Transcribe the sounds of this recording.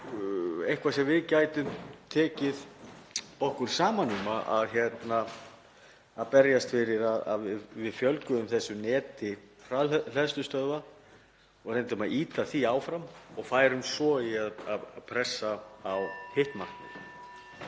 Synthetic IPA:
ejhkvasɛmvɪðcaːjt̪ʏmt̪ʰɛːcɪð | ɔhkʏɾ̥saːmanːimaʔa̰ðçjɛt̪na | ðpɛɾjast̪fɪɾɪɾaða̰ðvɪvɪðfjœlkʏʏmθɛsːʏnɛːt̪ɪfɾal̥ɛðst̪ʏst̪œðva | ɔɣrent̪ʏmaðiːt̪aθiaːwfɾamɔɣfaːjɾʏmsɔiaðaðapʰɾɛsːaawhɪht̪mar̥k̪nɪ̰n̰

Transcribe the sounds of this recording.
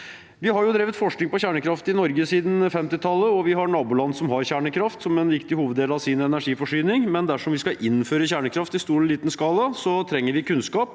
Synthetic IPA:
ʋɪɦɑɾjʊd̪ɾeːʋət̪fɔʂknɪŋpɔçæːɳəkʰɾɑft̪ɪnɔɾɡəsiːd̪n̩fɛmt̪ɪt̪ʰɑlːəɔʋɪɦɑɾɳɑːbʊːlɑnːsɔmɦɑɾçæːɳəkʰɾɑft̪sɔmɛnʋɪkt̪ɪhuːʋəd̪eːlɑʋsɪnɛnæʂiːfɔʂyːnɪŋmɛnd̪æʂɔmʋɪskɑʔɪnføːɾəçæːɳəkʰɾɑft̪ɪst̪uːɾliːt̪nskɑːləsɔt̪ʰɾɛŋːəɾʋɪkʰʉnskɑːp

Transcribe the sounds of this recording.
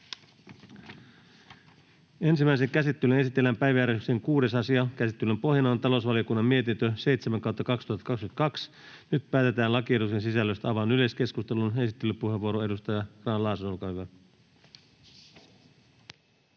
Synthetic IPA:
e̞nsimæis̬e̞ŋkæsit̪ːylyne̞sit̪ːˑelːæmpæjʋææːɾekseŋkuːde̞sɑsiɑkæsit̪ːylømpo̞hjɑnɑont̪ɑlo̞sʋɑliokunːɑmmie̞t̪int̪øse̞it̪semæŋkɑˑwt̪ːɑkɑkst̪uhɑt̪ːɑkɑkskyt̪ɑkɑks | nyt̪pæːt̪e̞t̪æːnlɑkiedusensisælːøst̪ɑʋɑnyleske̞skust̪elune̞sit̪ːelːypuɦe̞ʋːuoɾoe̞dust̪ɑjɑkrɑːnlɑːsolkɑyʋæ

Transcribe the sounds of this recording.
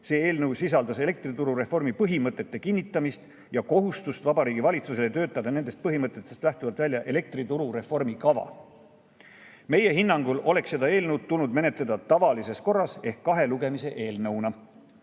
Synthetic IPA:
se̞ːe̞ːlnɤwsis̬ɑld̪̥ɑse̞le̞k̚t̪rit̪uɾuɾe̞fo̞rmipɤɦimɤt̪ˑːe̞t̪ːe̞kinʲːit̪ːˑɑmist̪ | jɑko̞ɦust̪ust̪vɑbɑɾiːɡ̥ivɑlʲit̪suse̞let̪ø̞ːt̪ːˑɑd̪ɑne̞nd̪̥est̪̚pɤɦimɤt̪ːˑe̞t̪ːˑest̪læht̪uvɑlt̪vælʲjɑʔe̞le̞k̚t̪rit̪uɾuɾe̞fo̞rmikɑvɑ̰ | me̞je̞ɦinːɑŋɡulo̞le̞ksse̞d̪ɑe̞ːlnəwd̪̚t̪ulnud̪me̞net̪ˑle̞d̪̥ɑt̪ɑvɑlise̞sko̞rːɑse̞hkːɑɦe̞luɡe̞mise̞ʔe̞ːlnɤwnɑ

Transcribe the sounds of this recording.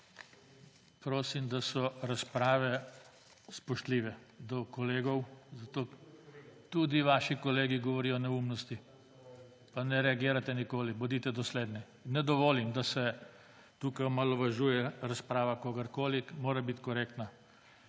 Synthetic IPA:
pɾoːsimd̪asɔɾaspɾaːʋɛ | spɔʃt̪liːʋɛd̪ɔkɔleːɡɔwzat̪oː | t̪ud̪iʋaːʃikɔleːɡiɡɔʋɔɾiːjɔnɛumnɔst̪i | panɛɾɛaɡiːɾat̪ɛnikoːlibɔd̪it̪ɛd̪ɔsleːd̪nɛ | nɛd̪ɔʋoːlimd̪asɛ | t̪uːkajɔmalɔʋaʒuːjɛɾaspɾaːʋakoːɡəɾkoːlimoːɾabit̪kɔɾeːkt̪na

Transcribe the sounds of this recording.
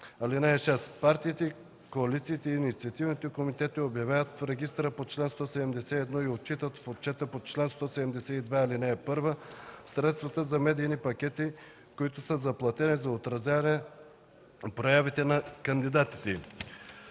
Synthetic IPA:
ɐlinɛːʃɛspaɾt̪iːt̪ɛi | koɐlit̪siːt̪ɛiːnit̪siɐt̪ivnit̪ɛkomit̪ɛt̪iobjɐvajət̪fɾɛɡist̪ɾəpot͡ʃlɛnst̪ɔsɛd̪ɛmd̪ɛsɛɛd̪nɔiot̪̚t͡ʃit̪ət̪fot̪̚t͡ʃɛt̪əpot͡ʃlɛnst̪ɔsɛd̪ɛmd̪ɛsɛid̪vaːlinɛːpɤɾvəsɾɛt̪st̪vɐt̪əzɐmɛd̪iːnipɐkʲɛt̪i | koit̪ʊsəzɐplˠɐt̪ɛnizɐot̪ɾɐzʲavɐnɛ | pɾojavit̪ɛnɐkɐnd̪id̪at̪i̥t̪ɛ

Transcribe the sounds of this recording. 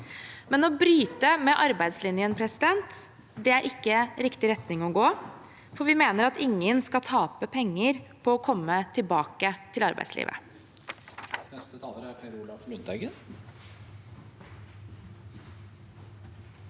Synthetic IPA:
mɛnɔbɾyːt̪əmɛʔɑɾbæɪd̪slɪnɪənpʰɾɛsɪd̪ɛnt̪ | d̪ɛæɾʔɪkːəɾɪkt̪ɪɾɛt̪nɪŋɔɡoː | fɔɾʋɪmeːnəɾɑt̪ɪŋːənskɑt̪ʰɑːpəpʰɛŋːəɾpʰɔɔkʰɔmːət̪ʰɪlbɑːkət̪ʰɪlɑɾbæ̰ɪslḭːʋə̰ | nɛst̪ət̪ʰɑːləɾæɾfæɾʊlɑfmʉnd̪ɑɡə

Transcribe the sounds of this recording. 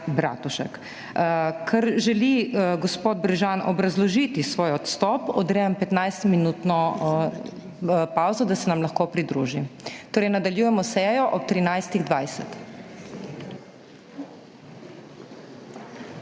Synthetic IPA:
bɾa̰ːt̪uʃɛ̰k | kʰaɾʒɛliɡɔspoːd̪̚bɾɛʒanʔɔbɾɐzlɔʒit̪isʋoːjɔt̪st̪ɔpɔd̪ɾɛəmpɛt̪najst̪minut̪nɔ | pawzɔd̪asɛnamlɐxkoːpɾid̪ɾuːʒit̪oːɾɛjnad̪aljuːjɛmɔsɛːjɔʔɔp̚t̪ɾinajst̪iɣd̪ʋajsɛ̰t̪

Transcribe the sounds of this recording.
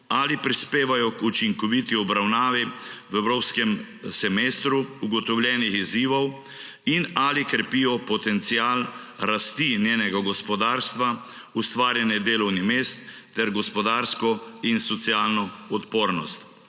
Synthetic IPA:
alipɾispeːʋajɔkut͡ʃiŋkɔʋit̪iɔbɾawnaːʋiwɛwɾoːpskɛm | sɛmeːst̪ɾuuɡɔt̪ɔwlʲjɛnixiziːʋɔw | inalikɾɛpiːjɔpɔt̪ɛnt̪siaːl | ɾast̪injeːnɛɡaɡɔspɔd̪aːɾst̪ʋa | ust̪ʋaːɾjɛnjɛd̪eːlɔwnimeːst̪ː | ɛɾɡɔspɔd̪aːɾskɔinsɔt̪siaːlnɔɔt̪poːɾnɔst̪

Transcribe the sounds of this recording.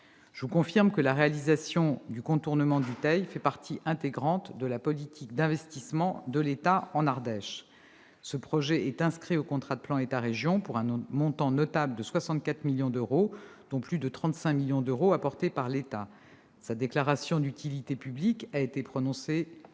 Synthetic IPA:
ʒəvukɔ̃fiʁmkəlaʁealizasjɔ̃d̪ykɔ̃t̪uʁnəmɑ̃d̪yt̪ajfɛpaʁt̪ʰiʔɛ̃t̪eɡʁɑ̃t̪d̪əlapɔlit̪ʰik̚d̪ɛ̃vɛst̪ismɑ̃d̪əlet̪aɑ̃naʁd̪ɛʃ | səpχɔʒɛʔɛt̪ɛ̃skχiokɔ̃t̪χad̪əplɑ̃et̪aʁeʒjɔ̃puʁɛ̃mɔ̃t̪ɑ̃nɔt̪abld̪əswasɑ̃t̪̚kat̪χmiljɔ̃d̪øʁod̪̥ɔ̃plyd̪ət̪χɑ̃t̪sɛ̃miljɔ̃d̪øʁoapɔʁt̪epaʁlet̪a | sad̪eklaʁasjɔ̃d̪yt̪ʰilit̪epyblikaet̪epχɔnɔ̃se

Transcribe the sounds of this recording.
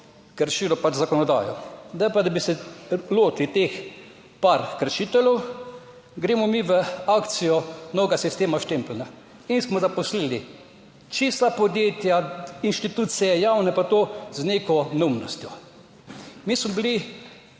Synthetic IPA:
kəɾʃilɔpazakɔnɔd̪a̰ːjɔ̰d̪ajpad̪abisɛloːt̪lit̪ex | paɾkəɾʃiːt̪ɛlɔw | ɡɾeːmɔmiʋəakt̪sijɔnɔːɡasist̪eːmaʃt̪emplna | insmɔzapɔslili | t͡ʃist̪apɔd̪jeːt̪jainʃt̪it̪ut̪sijɛjawnɛpat̪ozneːkɔnɛumnɔst̪jɔ | mismɔbili

